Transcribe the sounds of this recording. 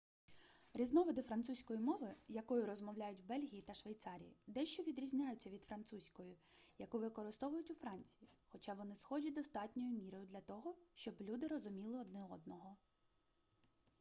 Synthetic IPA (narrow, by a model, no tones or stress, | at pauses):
ɾʲiznɔʋɔd̪ɪfɾɐnt̪susʲkɔjimɔʋɪjɐkɔjʊɾɔzmɔwlʲajʊtʲwbɛlʲɦʲijit̪ɐʃʋejt̪sɑɾʲijḭd̪ɛʃt͡ʃɔʋʲid̪ɾʲizʲnʲajʊt͡sʲːɐʋʲid̪fɾɐnt̪susʲkɔjʊjɐkuʋɪkɔɾɪst̪ɔʋʊjʊtʲʊfɾɑnʲt͡sʲijixɔt͡ʃɑʋɔnɪsxɔd͡ʒʲɐd̪ɔst̪ɑtʲnʲɔjʊmʲiɾɔjʊd̪lʲɐt̪ɔɦɔʃt͡ʃɔblʲud̪ɪɾɔzʊmʲilˠɪɔd̪nɪɔd̪nɔɦɔ